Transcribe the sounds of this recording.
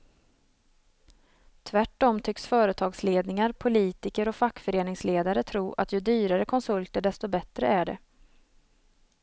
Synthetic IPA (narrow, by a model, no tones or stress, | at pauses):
t̪ʰvæʈːɔmt̪ʰʏksfœːɾət̪ʰɑːɡsleːd̪nɪŋaɾpʰʊliːt̪ɪkəɾɔfakːfœɾeːnɪŋsleːd̪aɾət̪ʰɾuːʔa̰t̪jɵd̪yːɾaɾəkʰɔnsɵlt̪əɖɛst̪ɔbɛt̪ɾəæɖɛ̰